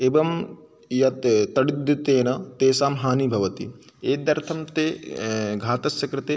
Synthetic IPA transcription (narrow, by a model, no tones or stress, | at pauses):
ebɐm | jɐt̪t̪ːɐɽid̪ːut̪eːnɐt̪eːsaːmɦaːnibʱɐʋɐt̪ḭ | eːd̪ɐɾt̪ʰɐmt̪eːɡʱaːt̪ɐsjɐkɾɐt̪eː